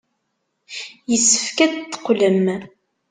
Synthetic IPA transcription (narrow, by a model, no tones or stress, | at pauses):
jəsːə̥fkæd̪t̪ːə̥qːləm